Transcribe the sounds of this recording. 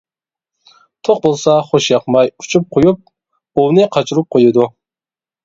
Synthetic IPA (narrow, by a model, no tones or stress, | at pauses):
t̪ʰoq̚bolˠsɑχoʃjɑqmɑjut͡ʃʰup̚qʰojup̚ | unɨqʰɑt͡ʃʰuɾup̚qʰojɨd̪u